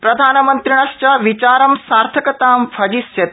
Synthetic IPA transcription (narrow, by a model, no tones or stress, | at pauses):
pɾɐd̪ʱaːnɐmɐnt̪ɾiɳ̃ɐʃt͡ʃɐʋit͡ʃaːɾɐmsaːɾt̪ʰɐkɐt̪aːmfʰɐd͡ʒisjɐt̪